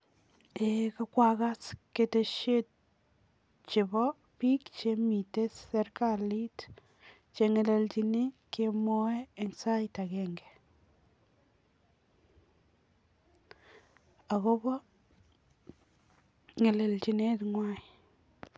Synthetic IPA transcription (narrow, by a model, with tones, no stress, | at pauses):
eka˦kwa˦ka˦ske˨te˨ʃe˦t̚ | t͡ʃɪ˨bɔ˦ | pi˦kt͡ʃemi˨te˦se˦ɾkali˦t | t͡ʃe˨ŋe˨le˨lt͡ʃi˨ni˦kemɔ˦ɛː˦˨nsa˦ita˨kɛŋɡɛ̥˨ | a˨ko˦bɔ˦ | ŋe˨le˨lt͡ʃi˨ne˦tŋwa˦i